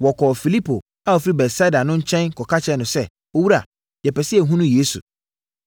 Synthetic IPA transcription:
wɔ˨kʰɔː˨fi˨li˦pʰo˨ | a˦ɔ˨fi˦ɾi˦bɛ˨tsa˦da˨nʊ̃˦ɲ̩˦t͡ɕʰɛ̃˦nkʰɔ˨kʰa˦t͡ɕʰɛ˦nʊ̃˨sɛ˦ | o˦wu˦ɾa̰˨ | jɛ˨pɛ˨si˦ɛ˨ɦũ˦nũ˦jeː˨˦su˨

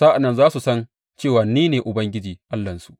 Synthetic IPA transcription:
saː˦ʔa˨nːɐ˦˨nzaː˦su˨sɐ˦n | t͡ʃeː˦˨waː˨niː˦neː˨ʔʊ˨bɐ˦ŋɡʲɪ˦d͡ʒiː˨ʔa˦lːɐ˨nsu̥˨ʔ

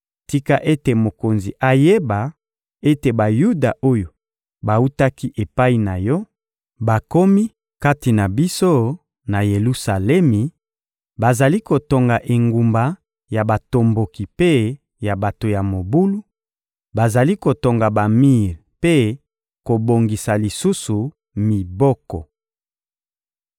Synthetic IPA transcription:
ti˦ka˦ʔe˦te˨mo˨ko˨nzi˨ʔa˨je˦ba˨ | e˦te˨ba˨ju˦da˨ʔo˦jo˨ | ba˨u˦ta˦ki˦ʔe˨pa˦i˦na˨jɔ˦ | ba˨ko˦mi˦ | ka˦ti˨na˨bi˦so˦ | na˨je˨lu˦sa˨lɛ˦mi˨ | ba˨za˨li˦ko˨to˨ŋɡa˨ʔe˨ŋɡu˨mba˨ | ja˨ba˨to˨mbo˨ki˨pe˦ | ja˨ba˨to˨ja˨mo˨bu˦lu˦ | ba˨za˨li˦ko˨to˨ŋɡa˨ba˨mi˦ʁpe˦ | ko˨bo˨ŋɡi˨sa˨li˨su˦su˨ | mi˨bɔ˦kɔ̰˨

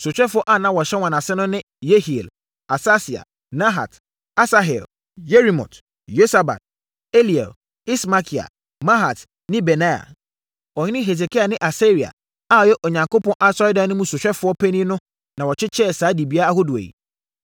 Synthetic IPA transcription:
sʊ˨ɕᶣɛ˦fʊ˦ɔ˦ʔa˦˨nã˦wɔ˨ɕɛ˦wã˨nã˨sɪ˦nʊ̃˦nɪ̃˦ | je˦hi˨ḛ˨l | a˨sa˦si˨a̰˨ | nã˦ɦa̰˨t | a˦sa˦ɦɛ˨l | je˦ɾi˨mɔ̰̃˨t | jo˦sa˨ba̰˨t̚ | e˦li˨ɛ̰˨l | i˦sma˦kʰi˨a̰˨ | mã˦ɦa˨t | nɪ̃˦bɛ˨nã˦ja̰˨ | ɔ˨ɲɪ˦nɪ̃˦ɦe˨s̬e˨kʰi˦a˨nɪ̃˦ʔa˨se˦ɾi˨a̰˨ | a˦˨jɛ˦ʔo˨ɲã˨ŋko˦pʰɔ̃˦nʔa˦sɔ˦ɪ˦dã˨˦nʊ̃˦mũ˦sʊ˨ɕᶣɛ˦fʊ˦ɔ˦pʰɛ˦nĩ˦nʊ̃˦ | nã˨wɔ˨t͡ɕʰɪ˦t͡ɕʰɛ˦˨saː˨˦di˨bi˦a˦a˦ho˦du˨ḛ˨jḭ˨

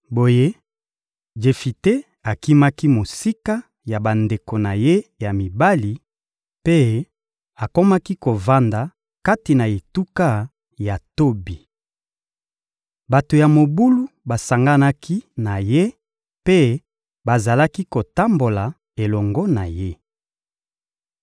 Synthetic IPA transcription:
bo˨je˦ | d͡ʒe˨fi˨te˦ | a˨ki˦ma˦ki˦mo˨si˦ka˦ | ja˨ba˨nde˨ko˨na˨je˦ja˨mi˨ba˦li˨ | pe˦ | a˨ko˦ma˦ki˦ko˨va˦nda˨ | ka˦ti˨na˨e˨tu˦ka˦ | ja˨to˦bi˨ | ba˨to˨ja˨mo˨bu˦lu˦ba˨sa˨ŋɡa˦na˦kʰi˦na˨je˦ | pe˦ | ba˨za˨la˦ki˦ko˨ta˦mbo˨la˨ | e˨lɔ˨ŋɡɔ˦na˨je˦

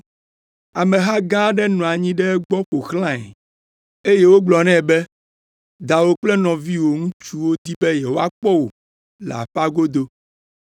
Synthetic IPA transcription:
a˨mɛ̃˨ɦa˦ɡã˦ɖɛ˦nɔ̃˨a˨ɲĩ˦ɖɛ˦ɡ͡bɔ˦ɸo˨xlã˦ɛ̰˨ | e˦je˦wo˦ɡ͡blɔ˨nɛ̃˦˨bɛ˦ | d̪a˨wo˦k͡plɛ˦nɔ̃˨vi˦wo˨ŋũ˦t͡ʃu˦wo˦d̪i˦bɛ˦jɛ˨wo˦a˦k͡pɔ˦wo˨ | la̰˨ɸa˦ɡo˦d̪o˦

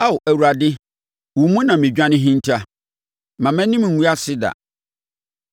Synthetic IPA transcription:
a˦ʊ˨ʔæ˨wu˨ɾa˨dɪ˦ | wʊ˨mũ˦nã˨mĩ˨d͡ʑᶣã˦nɪ̃˦ɦĩ˦n˦tʰa˦ | mã˨mɛ̃˦nĩ˦m˨ŋ̩˨wu˦a˦sɪ˦da̰˨

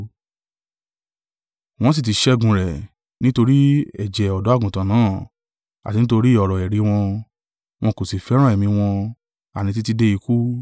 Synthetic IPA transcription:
w̃ɔ̃˧s̬i˦˨ti˧˦ʃɛ˦ɡũ˧ɾɛ˨ | nĩ˦to˧ɾi˦ɛ˨d͡ʒɛ˨ɔ˨dɔ˨˦a˦˨ɡũ˨tã˨nãː˨˦˨ | a˨ti˧nĩ˦to˧ɾi˦˨ɔ˨ɾɔ˨ɛ˨ɾi˨˧˦w̃ɔ̃˧ | w̃ɔ̃˧ko˨si˨fɛ˨˦ɾã˦˨ɛ˨mĩ˧w̃ɔ̃˧ | a̰˨nĩ˧t̬i˦ti˧˦de˦i˧ku˦

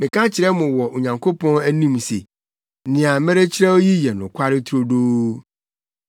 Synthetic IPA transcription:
mɪ̃˨kʰã˦t͡ɕʰɪ˨ɾɛ˦mʊ̃˨wɔ˨ʔo˨ɲã˨ŋkʰo˦pʰɔ̃˦næ˦nĩ˦msḛ˨ | nɪ̃˨a˨˦mɛ˦ɾe˦t͡ɕʰɪ˦ɾɛ˦o˦ji˦jɛ˨nʊ̃˨kʷʰa˦ɾɪ˦tʰɾo˦doː˦

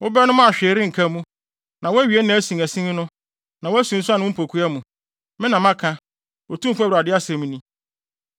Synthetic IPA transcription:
wʊ˦bɛ˦nʊ̃˦ma˦a˨ɕᶣɛ˨ɾɪ˦ŋ̩˨kʰa˦mũ˦ | nã˨wɔ˦æ˦ɥi˨e˦nã˨˦æ˦sĩ˨ŋæ˨sĩ˦n˦nʊ̃˦ | nã˨wʊ˦æ˦sũ˨n̩˦sa˦nʊ̃˦m̩˦pʰo˨kʰu˦a˦mũ˨ | mɪ̃˦nã˨mã˦kʰã˦ | o˨tũ˦m̩˦fu˦æ˦wɾa˨dɪ˦a˦se˨mũ˦nĩ˦

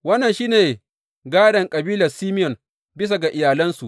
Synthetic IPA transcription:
wɐ˦nːɐ˨nʃiː˦neː˨ | ɡaː˦dɐ˨ŋkʼɐ˨biː˦lɐ˨rsiː˦mɪ˦jɔ˨n | bɪ˦s̬a˨ɡa˨ʔɪ˨jaː˨lɐ˦nsu˨ʔ

